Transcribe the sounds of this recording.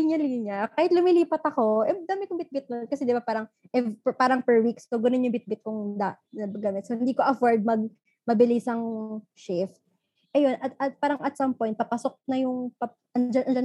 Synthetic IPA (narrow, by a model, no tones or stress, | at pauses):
iɲɐliɲɐkaːhɪt̪̚lʊmɪliːpɐt̪ɐko̞ʔɛd̪aːmɪt̚kʊŋbɪt̪̚bɪt̪̚nod̪̚kɐsɛd̪ɪbapaːɾɐŋ | ʔɛpaːɾɐŋpɛɹwikskoɡɐnonjʊŋbɪt̪̚bɪt̪̚kʊŋd̪aʔɐɡamɛt̪sohɪnd̪iːkoʔɐfoɹd̪̚mɐɡ̚ | mɐbɪlijsɐŋ | ʃɪft̪̚ | ʔɐjo̞nʔɐt̪ɐt̪̚paːɾɐŋɐt̪̚sɐmpojnt̪̚pɐpɐsok̚nɐjʊŋpɐ | ʔɐnd͡ʒɐnʔɐnd͡ʒɐn